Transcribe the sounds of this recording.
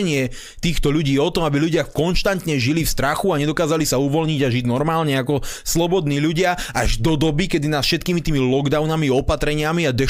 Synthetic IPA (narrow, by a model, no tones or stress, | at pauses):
ɲɪɛ | t̪iːxt̪ɔʎuɟiːɔt̪ɔmabiʎuɟɪakɔnʃt̪ant̪ɲɛʒilifst̪ɾaxuaɲɛd̪ɔkaːzalisauʋɔʎɲiɟaʒiɟnɔɾmaːlɲɛakɔslɔbɔd̪niːʎuɟɪaʔaʒd̪ɔd̪ɔbikɛd̪inat̪fʃɛt̪̚kiːmit̪iːmilɔɡd̪aʊnamiɔpat̪ɾɛɲɪamiad̪ɛ